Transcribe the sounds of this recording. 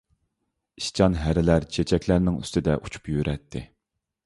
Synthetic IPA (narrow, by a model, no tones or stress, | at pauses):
iʃt͡ʃʰɑnɦæɾɪlæɾt͡ʃʰet͡ʃʰɛkʲlæɾnɪŋy̰st̪ɪd̪ɛʔu̥t͡ʃʰu̥pjøɾʔɛt̪ʰːɪ